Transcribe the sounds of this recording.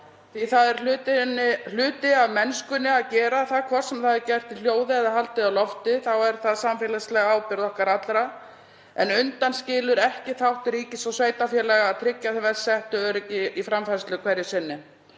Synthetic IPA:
θiθaðɛɾʏt̪nɪl̥ʏːt̪ɪaðmɛnskʏnːɪaðcɛːɾaθaðkʰvɔɾ̥sɛmθaðɪɾcɛr̥t̪ɪl̥joːwðɪɛðahalt̪ɪawlɔft̪ɪθawɛɾ̥θaðsamfɛːlaslɛɣaaːwpɪɾðɔhkaɾat̪lɾa | ɛnʏnt̪anscɪːlʏɾɛhcɪθawht̪ɪɾiːcɪsawsveːjt̪afjɛlɛɣaːðt̪ʰɾɪcːaθvɛɾsɛht̪ʏœːɾɪcɪifɾamfɛɾst̪ʏkʰvɛɾjɪsɪnːɪ

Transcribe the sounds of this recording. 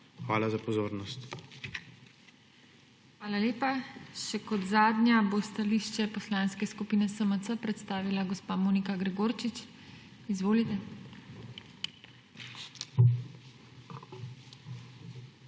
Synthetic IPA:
xʋaːlazapɔzoːɾnɔst̪ | xʋaːlaleːpaʃɛkɔd̪zaːd̪nʲjabost̪aliːʃt͡ʃɛpɔslaːnskɛskupiːnɛsəməəpɾɛt̪st̪aːʋilaɡɔspaːmoːnikaɡɾɛɡoːɾt͡ʃit͡ʃ | izʋoːlit̪ɛ

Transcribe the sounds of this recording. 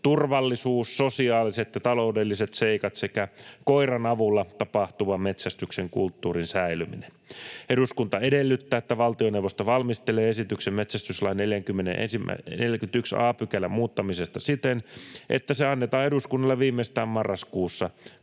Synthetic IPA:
t̪urʋɑlːisuːsːosiɑːliset̪jɑt̪ɑlo̞udelːiset̪seikɑt̪sekækoirɑnɑʋulːɑt̪ɑpɑht̪uʋɑmet̪sæst̪ykseŋkult̪ːuːrinsæilymḭneneɾuskunt̪ɑedelːyt̪ːæːet̪ːæʋɑlt̪ionewʋost̪oʋɑlmist̪eleːesit̪yksemmet̪sæst̪yslɑjneljæŋkymːenenʔḛnsimæ̰neljkyt̪yksɑ̰ːpykælæmuːt̪ːɑmisest̪ɑsit̪enʔḛt̪ːæseɑnːet̪ɑːeduskunːɑlːɑʋiːmːest̪æːmmɑrːɑskuːsːɑ

